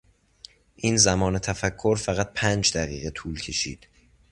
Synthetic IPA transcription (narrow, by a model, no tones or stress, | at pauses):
ʔiːnzæmɒːne̞t̪ʰæfækʰːoɾfæɣæt̪̚pʰæːnd͡ʒd̪æɣḭːɣet̪ʰuːlcʰe̞ʃḭːd̪̥